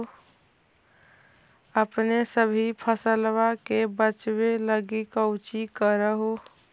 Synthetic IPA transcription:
əpnesəbʱipʰəsəlʋakebət͡ʃbeləɡikəʊt͡ʃikəɾəɦo

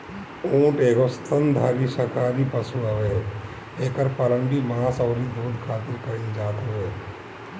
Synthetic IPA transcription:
õːʈeːɡost̪ʰənd̪ʱaːɾisəkaːɾipəsuəʋe | eːkəɾpəɾəɳɖimaːsəːɾid̪ʱuːd̪ʱkʰaːt̪ɪlkəĩd͡ʒaːt̪ʋeː

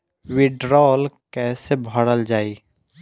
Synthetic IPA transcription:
wɪɖɾɔːlkɛːsebʱəɽəld͡ʒaːiː

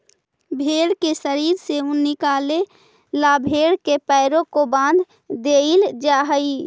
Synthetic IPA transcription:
bʱeːɽkesəɾiːɾseʊnːɪkaːle | laːbʱeːɽkepɛɪɾõkobãːnd̪ʱ | d̪eild͡ʒaːɦəi

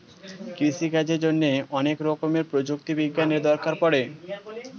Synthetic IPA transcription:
kɾiʃikad͡ʑeɾd͡ʑonːeɔnekɾɔkomeɾpɾod͡ʑukt̪ibiɡːaneɾd̪ɔɾkaɾpɔɽe

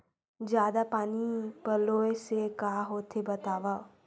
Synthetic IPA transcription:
d͡ʒjaːd̪apaːnipəloːesekaːɦoːt̪ʰebət̪aːʋa

